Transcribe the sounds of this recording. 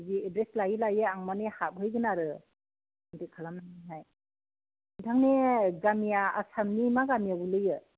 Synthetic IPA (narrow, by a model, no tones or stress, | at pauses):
ɡiedɾeslajilajɯaŋmanehap̚ɦɯjɡɯnaɾɯ | ntekʰalamnanaɦaj | tʰaŋneɡamijaa̰samnimaɡamijabulɯjɯ